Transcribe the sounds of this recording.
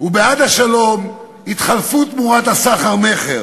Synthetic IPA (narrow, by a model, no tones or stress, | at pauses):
ubead̪aʃalo̞m | it̪χalfut̪muʁat̪hasaχaʁme̞χeʁ